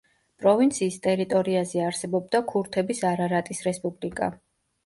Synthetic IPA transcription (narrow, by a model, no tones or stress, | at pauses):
pʼɾɔvint̪sʰiːst̪ʼɛɾit̪ʼɔɾiazɛaɾsɛbɔb̚d̪akʰuɾt̪ʰɛbisaɾaɾat̪ʼisɾɛspʼublikʼa̰